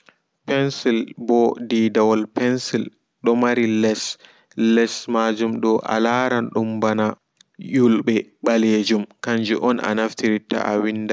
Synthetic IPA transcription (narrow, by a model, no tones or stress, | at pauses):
pɛnsilbɔdidawɔlpɛnsil | ɗɔmaɾilɛs | lɛsmad͡ʒumɗɔʔa̰laːɾanɗumbana | julɓɛɓaled͡ʒumkaɲd͡ʒuʔɔnʔa̰naftiɾita̰a̰winda